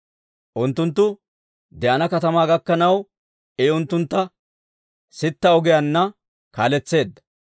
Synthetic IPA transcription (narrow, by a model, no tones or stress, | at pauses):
ʔʊnt̪ːʊnt̪̬ːʊ | d̪ɛʔɐnɐkɐt̪ɐmaːɡɐkːɐnɐw | ɛʊnt̪ːʊnt̪ːɐ | sɪt̪ːɐɔɡɪjɐnːɐ | kaːlɛt͡sːe̞ːd̪ːɐ̥